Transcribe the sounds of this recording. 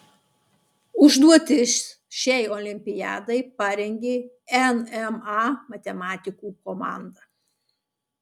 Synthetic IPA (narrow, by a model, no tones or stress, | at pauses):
ʊʒd̪uɔt̪ʲɪsʲ | ʃʲɛɪoːlʲɪmʲpʲɪjɑ̰ːd̪ɐɪpɑɾʲɛŋʲɡʲeː | ɛnɛmɑmɐt̪ʲɛmɑːt̪ʲɪkuːkɔmɑ̰ˑnd̪ɐ